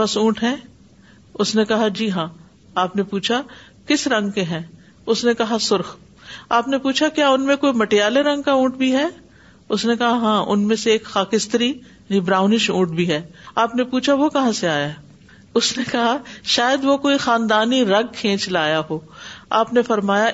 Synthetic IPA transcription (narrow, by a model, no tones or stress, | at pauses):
ɐsũːʈɦɛ̃ː | ʊsnekɐɦad͡ʒiːɦãː | aːpnepuːt͡ʃʰa | kɪsɾɐ̃ŋɡ̚keɦɛ̃ː | ʊsnekɐɦasʊɾx | aːpnepuːt͡ʃʰakjaːʊnmẽkoːimɐʈejaːleɾɐ̃ŋɡ̚kaũːʈbʱiɦɛː | ʊsnekɐɦaɦãːʔʊ̰nmẽseeːkxaːkɪst̪ɾijaːnibɾãːʊnɪʃũːʈ̚bʱiɦɛːaːpnepuːt͡ʃʰaʋokɐɦãseaːjaɦɛ | ʊsnekɐɦaʃaːjəd̪ʋokoːixaːnd̪aːniɾɐ̃ŋɡ̚kʰẽːt͡ʃlaːjaɦoːaːpnefɐɾmaːja